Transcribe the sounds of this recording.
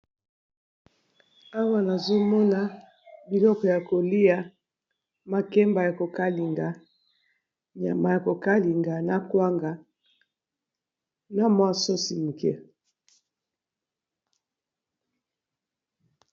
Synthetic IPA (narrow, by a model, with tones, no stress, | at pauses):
a˦wa˦na˨zo˦mɔ˦na˨ | bi˨lɔ˦kɔ˨ja˨ko˨li˦a˨ | ma˨kɛ˦mba˨ja˨ko˨ka˦li˨ŋɡa˨ | ɲa̰˨ma˨ja˨ko˨ka˦li˨ŋɡa˨na˦kwa˦ŋɡa˨ | na˨mwa˦so˦si˨m̩˨kɛ̰˦